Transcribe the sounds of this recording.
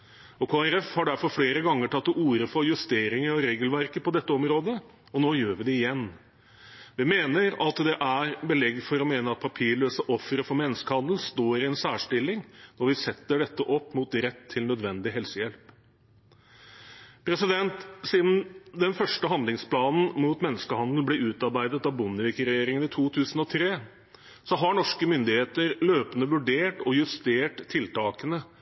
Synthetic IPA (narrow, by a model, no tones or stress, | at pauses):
ɔkʰoːæɾɛfhɑɖæɾfɔɾfleːɾəɡɑŋːəʈʰɑt̪ːɔuːɾəfɔɾjʉst̪eːɾɪŋəɾɔɾeːɡəlʋæɾkəpɔd̪ɛt̪ːəɔmɾoːd̪ə | ɔnoːjøːɾʋɪd̪ɛɪjɛnː | ʋɪmeːnəɾɑt̪d̪ɛʔæɾbəlɛɡfɔɾɔmeːnəɑt̪̚pʰɑpʰiːɭøːsəʔɔfːɾəfɔɾmɛnːəskəhɑnd̪l̩st̪oːɾɪɛnsæːʂʈɪlːɪŋnɔɾʋɪsɛt̪ːəɖɛt̪ːəʔɔpːmuːt̪ɾɛt̪ʰːɪlnœd̪ʋɛnd̪ɪɦɛlsəjɛlp | pʰɾɛsɪd̪ɛnt̪siːd̪n̩d̪ɛnfœʂʈəɦɑnd̪lɪŋspʰlɑːnn̩muːt̪mɛnːəskəhɑnd̪l̩blɛʉːt̪ɑɾbæɪd̪ət̪ɑʋbʊnːəʋɪkɾɛjeːɾɪŋənɪt̪ʰuːt̪ʰʉːsn̩ɔt̪ʰɾeː | sɔɦɑɳɔʂkəmʏnd̪ɪheːt̪əɾløːpənəʋʉɖeːʈɔjʉst̪eːʈt̪ʰːɪlt̪ɑːkənə